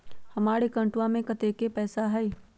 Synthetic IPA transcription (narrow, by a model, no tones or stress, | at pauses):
hɐmaːɾekɐ̃ɳʈwamẽkɐt̪eːkepɛːsaɦɛː